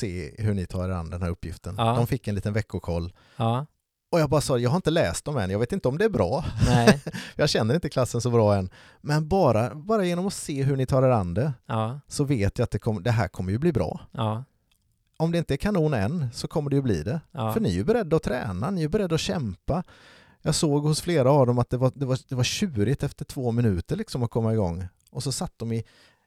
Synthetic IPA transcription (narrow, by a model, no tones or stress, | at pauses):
seːɦɵɳɪt̪ʰɑ̰ːɾɛɾa̰nd̪əd̪ɛnæːɾɵpːjɪ̰ft̪ənd̪ɔmfɪkːɛnliːt̪ənvɛkːʊkʰɔlː | ɔjɑɡbɑːɾasɑːjɑːɡhaɾɪnt̪əlɛːst̪̚ɔmɛnjɑɡveːt̪ɪnt̪əɔmd̪ɛæɾbɾɑː | jɑɕɛnːəɾɪnt̪əkʰlasːənsɔbɾɑːɛnː | mɛnbɑːɾabɑːɾajeːnɔmɔseːɦɵɳɪt̪ʰɑːɾɛɾand̪ɾəsɔveːt̪jɪat̪̚d̪ɛkʰɔmːəd̪ɛɦæ̰ːɾkʰɔmːəɾjɵbliːbɾɑ̰ː | ɔmd̪ɛɪnt̪əɛɾkʰanuːnɛ̰nːsɔkʰɔmːəɖɛjɵblḭːd̪ɛfœɳɪɵbɛɾɛd̪ːaɔt̪ʰɾɛ̰ːnanɪæbɛɾɛd̪ːaɔɕɛmpa | jɑːɡsoːɡhʊsfleːɾaːvd̪ɔmat̪̚d̪ɛvad̪ɛvad̪ɛvaɾɕʉ̟ːɾɪt̪ɛft̪əʈʰv̥oːmɪnʉ̟ːt̪əɾɭɪksɔmat̪̚kʰɔmːaɪɡɔ̰ŋː | ʔɔsɔsat̪ːd̪ɔmɪ